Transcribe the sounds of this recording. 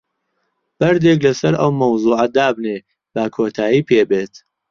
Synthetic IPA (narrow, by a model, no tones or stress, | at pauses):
b̥ɐɾd̪eːklɐsɐɾɐwmɐwzˤuːʕɐd̪aːbneː | b̥akʰoːt̪ʰaːjiːpʰeːbeːt̪